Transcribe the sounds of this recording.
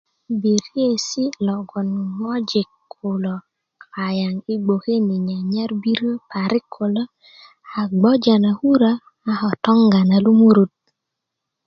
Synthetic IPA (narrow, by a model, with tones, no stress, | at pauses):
bi˨ɾe˦˨si˦lɔ˨ɡɔ˨n˨mɔ˦d͡ʒɪ˨kʰʊ˨lɔ˨ | ka˨ja˨ŋi˦ɡ͡bo˨ke˦ni˨ɲa˨ɲa˦ɾbi˦ɾo˦pa˨ɾɪ˦kʰʊ˨lɔ˦ | a˨ɡ͡bɔ˦d͡ʒa˨na˨hu˦ɾa˦ | a˦hɔ˨tɔ˦ŋɡa˨na˨lu˦mu˦ɾu˦t̪̚